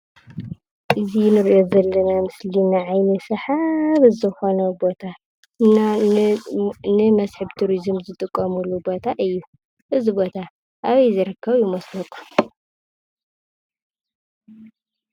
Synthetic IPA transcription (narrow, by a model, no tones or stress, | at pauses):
ʔɨzinɨɾiʔo̞zɐlːɐnamɨslinaʕajnɐsɐħaβzɨxo̞nɐbo̞t̪ʰa | nɨmɐsħɨβt̪ʰuɾizɨmzɨt̪ʼɨkʼːɐmulːubo̞t̪ʰaʔɨjːu | ʔɨzibo̞t̪ʰa | ʔaβɐjzɨɾɨkʰːɐβjimɐslɐt̪ʼu̥